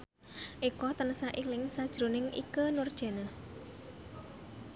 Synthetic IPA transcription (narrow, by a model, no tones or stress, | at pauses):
ʔikɔt̪ənəsaʔilɪŋsad̥ʒ̥ɾunɪŋʔḭkənʊrd̥ʒ̥e̤nəh